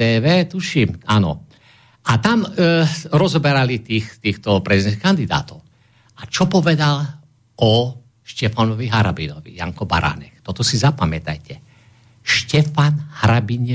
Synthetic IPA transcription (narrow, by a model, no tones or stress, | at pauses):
ɛːʋɛːt̪uʃimanɔ̰ | ʔat̪am | ɾɔzɔbɛɾalit̪iːxt̪iːxt̪ɔpɾɛzid̪ɛnkand̪id̪a̰ːt̪ɔʊ | at͡ʃɔpɔʋɛd̪al | ɔ | ʃcɛfanɔʋiɦaɾa̰binɔʋḭja̰ŋkɔba̰ɾa̰nɛ̰xt̪ɔt̪ɔsizapamɛt̪a̰jcɛ | ʃcɛfanhɾabiɲɛ